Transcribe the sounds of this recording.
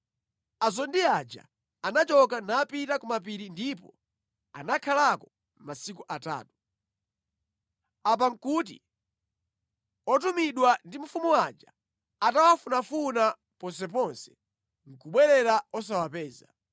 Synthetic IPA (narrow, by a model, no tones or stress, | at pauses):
azɔndiad͡ʒa̰ | anat͡ʃɔkanaːpitakɔmap̬iɾindipɔ̰ | a̰nakʰalakɔ | masikuʔata̰ːtu̥ | ap̬aŋ̩kuːt̬ḭ | ɔtumiɗwandim̩fumuwad͡ʒa | atawafunafuna | pɔns̬ɛp̬ɔnsɛ̥ | ŋ̩kuɓwɛɾɛɾaɔs̬awapɛːza